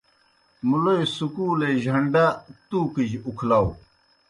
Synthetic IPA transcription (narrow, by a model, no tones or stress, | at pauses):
mulojsukuːleʑʱɐɳɖat̪uːkid͡ʑukʰlaw